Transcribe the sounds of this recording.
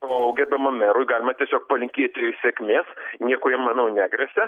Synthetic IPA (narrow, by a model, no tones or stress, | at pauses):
oːʊɡʲɛɾʲbʲɛmɐmmʲɛɾʊjɡɑːlʲɪmɐt̪ʲiɛsʲoːk̚pɐlʲɪŋʲkʲiːt̪ʲsʲeːkʲmʲeːsnʲiɛkʊjɛmmɐnɐʊnʲæːɡɾʲɛsʲɛ